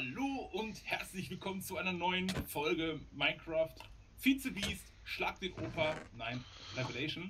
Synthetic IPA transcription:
haloːʔʊnthɛɐt͡slɪçv̥ɪlkʰɔmənt͡suʔaɪnɐnɔʏənfɔlɡəmaɪnkʁ̥aːft | fɪt͡səbiːst | ʃlaːk̚d̥eːnʔoːpɐnaɪn | ʁɛvelɛɪʃon

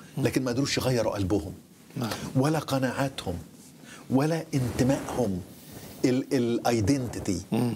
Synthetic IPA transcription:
læːkɪnmæɪd̪ɾuːʃjɣɑjːɑɾˤuʔælbʊhʊm | wælːæqɑnaːʕaːt̪hʊm | wælæʔɪnt̪ɪmæʔhʊm | elelʔɑjd̪ent̪ɪt̪i

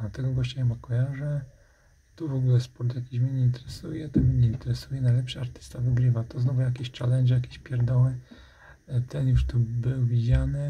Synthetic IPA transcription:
at̪ɛɡɔɡɔɕt͡ɕajɛmakɔjaʐɛ | t̪uvɔɡulɛspɔɾt̪jakʲiɕmʲɛɲɛint̪ɛɾɛsujɛt̪ɔmʲjeɲɛint̪ɛɾɛsujɛnajlɛpʂaaɾt̪ɘ̥st̪avɘɡɾɘvat̪ɔznɔvujakʲeɕt͡ʂalɛnd͡ʒɛjakʲeɕpʲjɛɾd̪ɔwɘ | t̪ɛnjuʂt̪ubɘwvʲid͡ʑanɘ

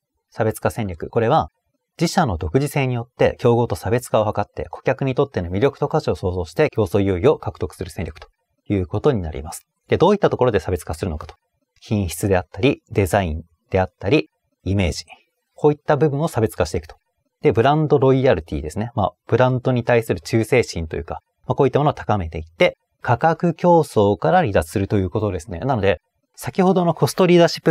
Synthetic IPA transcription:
sabe̞t͡sɨ̥kasẽ̞ɲʲɾʲokɯ̟ko̞ɾe̞β̞a | d͡ʑiɕano̞d̪o̞kɯ̟ʑise̞ːɲ̟ijo̞t̪ːe̞̰kʲo̞ːɡo̞ːt̪o̞sabe̞t͡sɨ̥kao̞hakat̪ːe̞̰kʰo̞̥kʲakɯ̟ɲ̟it̪o̞t̪ːe̞no̞mʲiɾʲo̞kɯ̟t̪o̞kaɕio̞so̞ːzo̞ːɕi̥t̪e̞kʲo̞ːso̞ːjoːio̞kakɯ̟̥o̞kɯ̥sɨɾɯ̟sẽ̞ɲʲɾʲo̞kɯ̟̥o̥ | jɯ̟ːko̞t̪o̞ɲ̟ina̰ɾʲḭmasɨ̥ | d̪̥e̞d̪o̞ːit̪ːat̪o̞koɾo̞d̪e̞sabe̞t͡sɨ̥kasɨɾɯ̟no̞kḁt̪o̥ | çĩɰ̃çi̥t͡sɨd̪e̞at̪ːaɾʲid̪e̞zaĩn | d̪̥e̞at̪ːaɾʲi | ime̞ːʑi | ko̞ːit̪ːabɯ̟bɯ̟ɰ̃o̞sabe̞t͡sɨ̥kaɕi̥t̪e̞ikɯ̟̥o̥ | d̪̥e̞bɯ̟ɾãnd̪o̞ɾo̞iaɾit̪ʲḭːd̪e̞sɨne̞ma̰b̥ɯ̟ɾãnd̪o̞ɲ̟it̪aisɨɾɯ̟t͡ɕɨːse̞ːɕĩnt̪o̞jɯ̟ːka | makoːit̪ːamonoat̪ḁkame̞t̪e̞it̪ːe̞ | kʰakakɯ̟kʲo̞ːso̞ːkaɾaɾʲid̪ḁsɨɾɯ̟t̪o̞jɯ̟ːko̞t̪o̞d̪e̞sɨ̥ne̞̰nano̞d̪e̞ | sakʲiho̞d̪o̞no̞ko̞sɨ̥t̪o̞ɾʲiːd̪aɕi̥pːɯ

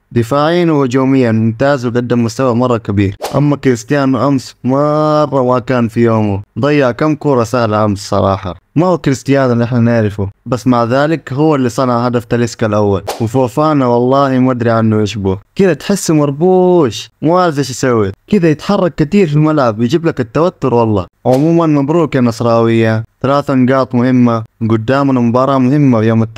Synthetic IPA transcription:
d̪ɪfaːʕiːnuwad͡ʒoːmɪjːanmʊmt̪aːzwɡad̪ːamːʊst̪awamɑrˤːɑkabiːɾʔa̰mːakɾɪst̪ɪjaːnʔamsmɑrˤːɑmakaːnfijoːmud̪ˤɑjːɑʕkamːkuːɾˤɑsahlaʔamssˤɑ̰ɾˤɑ̰ːħɑ̰mahuːkɾɪst̪ɪjaːnɪlʔɪħnanɪʕɾɪfubasːmaʕðaːlɪkɦʊwːalːisˤɑnʕahad̪aft̪alɪskalʔawːalwɪfoːfaːnawɑlˤːɑːhimad̪ɾiʕanːuʕɪʃbukɪd̪at̪ħɪsːmɑɾˤbuːʃmaʕazaʃsawːit̪kɪd̪ajɪt̪ħɑrˤːɑɡ̚kat̪iːɾfilmalʕabjd͡ʒiːblakat̪ːawat̪ːʊɾwɑlˤːɑ̰ːʕʊmuːmanmabɾuːkanɑsˤɾˤɑːwɪjːaθalaːθanɡɑːt̪ˤmʊhɪmːaɡʊd̪ːaːmanmʊbɑːɾˤɑmʊhɪmːafjoːmat̪ː

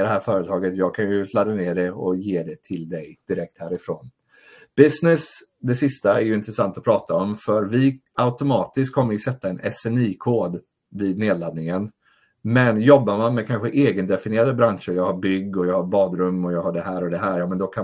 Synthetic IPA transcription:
d̪ɛhæːɾfœːɾət̪ʰɑːɡət̪jɑːɡ̚kʰanjɵslad̪aneːɖɛɔjeːd̪ɛt̪ʰɪld̪ɛjd̪̥ɪɾɛk̚t̪hæːɾɪfɾoːn | b̥ɪsnɪs | d̪ɛsɪst̪aɛɾjɵɪnt̪ɾɛsant̪ɔpʰɾɑːt̪aɔmfœɾvɪaʊt̪ʊmɑːt̪ɪskkʰːɔmːəɾvɪsɛt̪ːaɛnʔɛsɛniːkʰoːd̪ | viːd̪̚neːd̪lad̪̚nɪŋən | mɛnjɔbːaɾmanmɛkʰanɧəʔeːɡənd̪ɛfɪnɪeːɾad̪əbɾanʂəɔjɑːɡhaɾbʏɡːɔjɑːɡhaɾbɑːd̪ɾɵmːɔjɑːɡhaɖɛɦæːɾɔd̪ɛɦæːɾjɑːmɛnd̪ɔkʰa

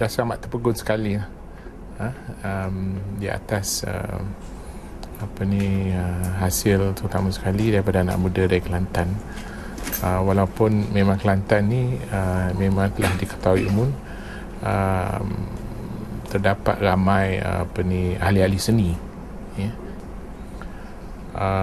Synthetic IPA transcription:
dahsəlamaʔt̪ːərpəɡʊnsə̥kaliah | əəmdia̰t̪asə̰ | apəniəɦasɪlt̪əɾut̪amãsə̥kalidaɾipadana̰ʔmudadaikəlant̪an | əwalawpʊnmẽmãŋkəlant̪anːiəmemãŋt̪əlahdikə̥t̪auwiumʊn | əm | t̪ərdapa̰t̪̚ramãjə̰apənialialisənĩ | jə | ə

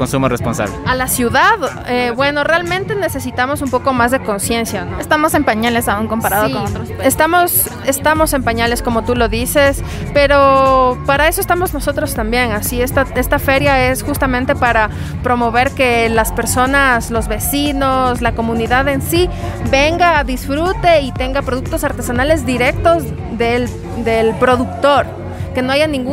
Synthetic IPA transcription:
konsumoresponsa̰βlealasjuðað | eβwe̞no̞realmẽnt̪e̞ne̞se̞sit̪amo̞sumpo̞ko̞mazðe̞ko̞nsje̞nsjanoest̪amo̞se̞mpaɲalesauŋko̞mpaɾaðokonot̪ɾoest̪amo̞s | e̞st̪amo̞se̞mpaɲale̞sko̞mo̞t̪ulo̞ðise̞s | pe̞ɾo̞paɾae̞soe̞st̪amo̞znoso̞t̪ɾo̞st̪ambje̞ŋasiest̪ae̞st̪afe̞ɾjae̞sxust̪amẽ̞nt̪e̞paɾa | pɾo̞mo̞β̞e̞ɾke̞laspe̞ɾso̞naslo̞zβe̞sino̞slako̞mũniðaðe̞nsi | be̞ŋɡaðisfɾut̪e̞it̪e̞ŋɡapɾo̞ðuk̚t̪o̞saɾt̪e̞sanale̞zðiɾe̞k̚t̪o̞z | ðel | d̪e̞lpɾo̞ðukt̪o̞ɾ | ke̞no̞ajanĩŋɡu

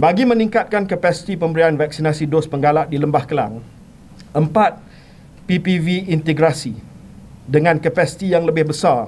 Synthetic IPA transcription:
baɡimə̃nĩŋkat̪̚kankəpasi̥t̪ipəmbəɾianvak̚sinasidospəŋɡalaʔ̚diləmbahkəla̰ŋ | ʔəmpat̪̚ | pipiviːnt̪əɡɾasi | dəŋãnkəpasi̥t̪ijaŋləbɪhbəsar

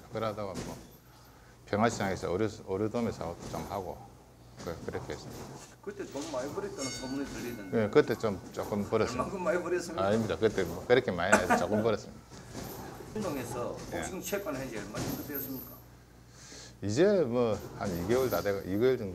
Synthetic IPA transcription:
kɯɾadaɡamʌ | pjeŋaɕʰi̥s͈ʰaŋesʰʌ̰ɾʌɾudomesʰʌt͈ot͡ɕomhaɡo | kɯkɯɾʌkʰehes͈ɯmidakɯt̪͈ʰet͡ɕomːaibʌɾit͈anɯnsʌmunitɯlːidenekɯt͈et͡ɕomt͡ɕʌk͈ɯmpʌɾʌakɯmːaibʌɾiʌs͈ɯmaɲimɲidakɯt̪͈emʌkɯɾʌkʰemainadot͡ɕʌk͈ɯmpʌɾʌs͈ɯmida | nd̪oŋesʰʌoeɯŋt͡ɕʰek͈anɦeɡɭmaɾidodeʌs͈ɯmɲik͈a | id͡ʑemwʌhaniɡeuɭtadeɡajiɡeuɭtɯŋ

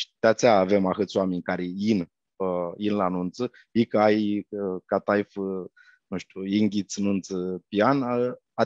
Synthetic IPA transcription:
ʃt̪at̪t͡s̪ʲaːvemaxɨt̪t͡s̪ʲwamenʲkaɾejin | əjinlanunt̪sə | ikajkat̪ajf | nuʃt̪ʲujiŋɡʲit͡snunt̪səpian | a

